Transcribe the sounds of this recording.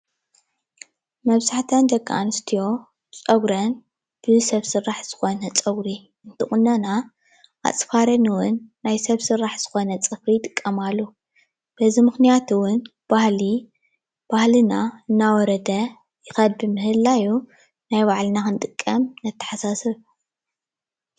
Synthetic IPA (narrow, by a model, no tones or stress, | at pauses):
mɐβzaħt̪ʰɐnd̪ɐɡʼːa̰ʔa̰nɨst̪ʰijo̞ | t͡sʼɐɡɾɐn | b̥ɨsɐβsɨrːaħz̥ɨ̥xo̞nɐt͡sʼɐɡɾi | ɨnt̪ʰɨχʼʊnːɐna | ʔa̰t͡sʼfaɾɐniwʊnːajsɐβsɨrːaħz̥ɨxo̞nɐt͡sʼɨfɾijt̪ʼɨ̥kʼːɐmalːu | b̥ɐzimɨxnijat̪ʰuwʊn | b̥ahli | b̥ahlɨnaɨnːawɔɾɐd̪ɐ | jɪxɐd̪̚bɨmɨɦɨlːaju | najbaʕlɨnakɨnt̪ʼɨkʼːɐmnɐt̪ʰːɐ̥ħasasɨβ